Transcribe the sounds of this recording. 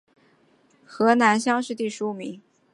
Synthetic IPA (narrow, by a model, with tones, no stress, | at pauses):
xɤ˧˥na˧˥nɕjɑ˥ŋʂɻ̩˥˧t̪i˥˩ʂɻ̩˧˥u˧˩mḭ˧˥ŋ